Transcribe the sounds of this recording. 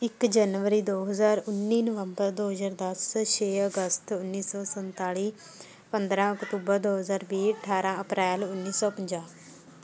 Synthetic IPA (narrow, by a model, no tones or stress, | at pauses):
ɪkd͡ʒənʋəɾiːd̪oːɦəzaːɾʊnːiːnəʋəmbəɾd̪oːɦəzaːɾd̪əsʃʰeːəɡəst̪ʊnːiːsɔːsənt̪aːɽiː | pənd̪ɾãːʊkt̪uːbəɾd̪oːɦəzaːɾbiːəʈʰaːɾãːəpɾɛːlʊnːiːsɔːpəɲd͡ʒãː